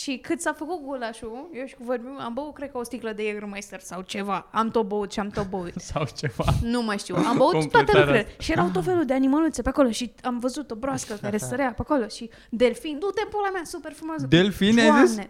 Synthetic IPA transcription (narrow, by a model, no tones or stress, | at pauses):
ʃikɨt̪safəkut̪̚ɡulaʃujewʃi̥kuvorbimambəut̪kɾe̞d̪kost̪ikləd̪eeɡɾmajst̪ərsawt͡ʃe̞vaamt̪obout̪ʃiamt̪obout̪sawt͡ʃeva̰numajʃt̪iwambəut̪t̪wat̪euɾuileʃijeɾawt̪ot̪felud̪eanimalut̪səpeako̞lo̞ʃiamvəzut̪o̞bɾoaskək̪aɾesəɾeapeako̞lo̞ʃi | d̪e̞lfinut̪empolamasupe̞rfɾumoas̬əd̪elfinajaime